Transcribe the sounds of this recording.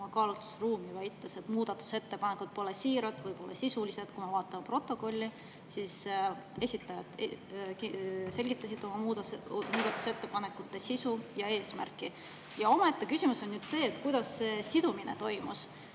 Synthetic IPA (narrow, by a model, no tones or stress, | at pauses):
ɑkɑːlut̪ˑu̥sruːmivæjt̪ːˑese̞t̪muːd̪̥ɑt̪ːˑu̥se̞t̪ːepɑnekud̪̥̚po̞lesiːɾɑd̪̥vɤjbo̞lːɑ̰sisulise̞d̪̥kumevɑːt̪ːˑɑmɑpro̞t̪ːˑo̞ko̞lʲːi | sise̞sʲit̪ːˑɑjɑt̪kse̞lʲɡit̪ˑːɑsid̪̥o̞mɑmuːd̪muːd̪̥ɑt̪ːˑu̥se̞t̪ːe̞pɑne̞kˑut̪ːe̞sisujɑe̞ːsmæ̰rkˑi | jɑo̞mɑet̪ːe̞kysʲimuso̞nnyd̪̥se̞ːt̪ːˑkujd̪̥ɑsːe̞sid̪̥uminet̪o̞jmus